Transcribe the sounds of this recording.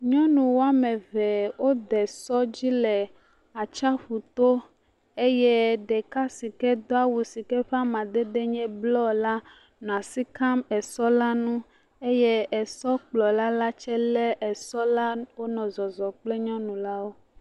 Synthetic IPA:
ɲɔ̃˦nũ˨wo˦a˦mɛ˨vɛ˨wo˦d̪ɛ˨sɔ˦d͡ʑi˦lɛ˨ | a˨t͡ʃa˦ɸu˨t̪o˦ | e˦jɛ˦ɖɛ˨ka˦si˨kɛ˦d̪o˦a˦wu˨si˨kɛ˦ɸa˦mã˨d̪e˦ɖe˦ɲɛ̃˦blɔ˦la˦ | nɔ̃˨a˨si˦ka˦mɛ˨sɔ˦la˦nũ˦ | e˦jɛ˦ɛ˨sɔ˦k͡plɔ˨la˦la˦t͡ʃɛ˦lɛ˦ʔɛ˨sɔ˦la˦wo˦nɔ̃˨zɔ˨zɔ˨k͡plɛ˦ɲɔ̃˦nũ˨la˦wo˦

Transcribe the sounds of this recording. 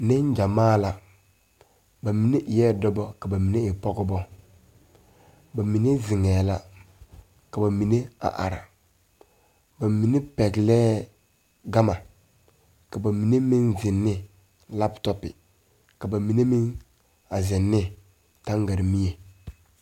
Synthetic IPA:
nɛ˦n˦d͡ʒa˨maː˦la˨ | ba˨mi˨ne˦ʔɪ˨jɛː˦dɔ˦bɔ˦ka˨ba˨mi˨ne˦ɪ˨pɔ˦ɡʊ˦bɔ˦ | ba˨mi˨ne˦zɪ˨ŋɛː˨la˦ | ka˨ba˨mi˨ne˦a̰˨ʔa̰˨ɾa̰˨ | ba˨mi˨ne˦pɛ˨ɡlɛː˦ | ɡa˦ma˨ | ka˨ba˨mi˨ne˦mɪ˦nzɪ˨nːɪ˦ | la˦ptɔ˦pɪ˨ | ka˨ba˨mi˨ne˦mi˦n | a˨zɪ˨nːɪ˦ | ta˦ŋɡa˨ɾi˨mi˦e˨

